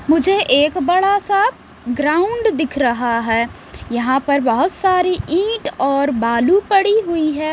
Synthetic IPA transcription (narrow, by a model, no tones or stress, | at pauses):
mʊd͡ʒʱeʔeːkbɐɽasaːb | ɡɾaːʊɳɖd̪ɪkʰɾɐɦaɦɛː | jɐɦãpɐɾbɐɦʊt̪saːɾiʔĩːʈɔːɾbaːlupɐɽiɦʊiɦɛː